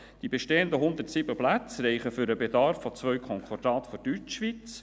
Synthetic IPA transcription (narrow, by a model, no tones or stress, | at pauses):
d̥ibɛʃteːənd̪əɦʊnd̪ətsibəplæt͡sɾɛɪχəfʏɾəbed̪ɑɾfːɔt͡svœʏkʰɔŋkʰɑɾdɑːt̪fɔd̥yt͡ʃʃʋit͡s